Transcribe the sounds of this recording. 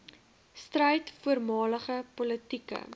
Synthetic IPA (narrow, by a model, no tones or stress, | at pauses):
strəjtfuərmɑːləχəpɔlətikə̰